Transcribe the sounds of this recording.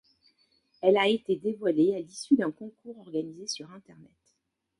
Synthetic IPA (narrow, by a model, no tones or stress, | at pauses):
ɛlaet̪ed̪evwalealisyd̪ɛ̃kɔ̃kuʁɔʁɡanizesyʁɛ̃t̪ɛʁnɛt̪